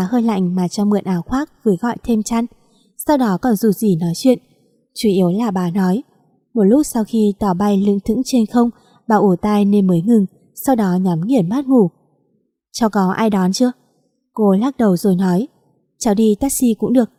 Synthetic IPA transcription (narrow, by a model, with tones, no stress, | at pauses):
a˨˩həː˧jla̰˧˨jŋ̟maː˨˩t͡ɕɔ˧mɨ̰˨˩ənʔaː˨˦wxwaː˦˥k̚vɨː˨˦jɣɔ̰˧˨jt̪ʰe˧mt͡ɕa˧n | sa˧wɗɔ˨˦kɔ˨˩nzu˨˩zi˨˩nɔ˨˦jt͡ɕwḭ˧˨ən | t͡ɕu˧˩˦ʔi˨˦əwlaː˨˩ɓaː˨˩nɔ˨˦j | mo˨˩t̚lʊ˦˥t̚sa˧wxi˧t̪ɔ˧˩ɓa˧jlɨ̰˧˥ŋt̪ʰɨ̰˧˥ŋt͡ɕe˧nxə˧wŋ͡m | ɓaː˨˩ʔu˧˩t̪aː˧jne˧nməː˨˦jŋɨ˨˩ŋ | sa˧wɗɔ˨˦ɲɔ˨˦mŋi˨˧˩ənmaː˦˥t̚ŋu˧˩ | t͡ɕa˧wkɔ˨˦ʔaː˧jɗɔ˨˦nt͡ɕɨ˧ə | ko˧laː˦˥k̚ɗə˨˩wzo˨˩jnɔ˨˦j | t͡ɕa˧wɗi˧t̪aː˦˥k̚si˧kʊ̰˧˥ŋ͡mɗɨ˨˩ək̚